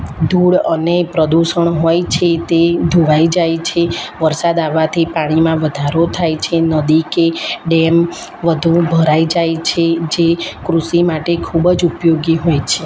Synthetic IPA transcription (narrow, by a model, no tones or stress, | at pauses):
d̪uɽənepɾəd̪uʃəɳɦojt͡ʃʰet̪ed̪ʱuʋaid͡ʒajt͡ʃʰeʋəɾsad̪aʋat̪ʰipaɽ̃imãʋəd̪ʱaɾot̪ʰajt͡ʃʰenəd̪ikeɖem | ʋəd̪ʱũbʱəɾaid͡ʒajt͡ʃʰed͡ʒekɾusimaʈekʰubd͡ʒupjoɡiɦojt͡ʃʰe